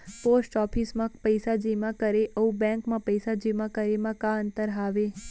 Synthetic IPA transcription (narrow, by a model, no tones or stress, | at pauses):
posʈɔpʰismãpəjsad͡ʒimãkəɾeʔəũbɛ̃ŋkmãpəjsad͡ʒimãkəɾemãkãənt̪əɾɦaʋe